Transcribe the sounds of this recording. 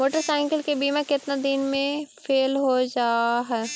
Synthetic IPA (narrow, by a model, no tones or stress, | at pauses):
moːʈəɾsãːŋkəlkebiːmãkɪt̪nad̪ɪnmẽfʰeːlɦod͡ʒaːɦɛː